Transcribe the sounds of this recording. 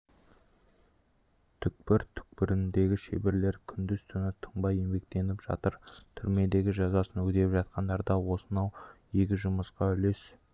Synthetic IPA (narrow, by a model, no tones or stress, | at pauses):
t̪ʰʏk̚pɪɾt̪ʰʏ̥k̚pɪɾɪnd̪e̞ɡʲɪʃḛbeɾle̞ɾkʲʰʏnd̪ɪz̥t̪ʰʏnɪt̪ʰəɴbɑje̞mbe̞k̚t̪e̞nɪpʒ̥ɑ̰t̪əɾt̪ʰʏɾme̞d̪e̞ɡʲɪʒɑzɑsənwɵkt̪e̞pʒɑt̪̚qɑnd̪ɑɾd̪ɑwo̞sənɑw | e̞kʲɪʒʊməsqɑʏle̞s